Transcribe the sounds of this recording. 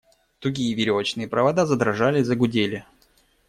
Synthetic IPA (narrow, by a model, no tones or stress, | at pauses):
t̪ʊɡʲijəvʲɪɾʲovət͡ɕnɨjəpɾəvɐd̪azəd̪ɾɐʐalʲɪzəɡʊdʲelʲɪ